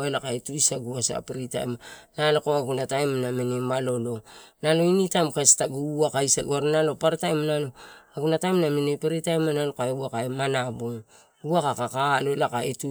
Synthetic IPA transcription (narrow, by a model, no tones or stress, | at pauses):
elakaetuisaɡuasa̰peɾita̰jmanalokoaɡunatajmnamenimalo̞lo̞nalo̞initajmkastaɡuuakaisaɡuaɾanalo̞paɾatajmanalo̞aɡunatajmnamenipeɾitajmanalokaeuakaemanaboŋ | uakakakaːlo̞elakaetu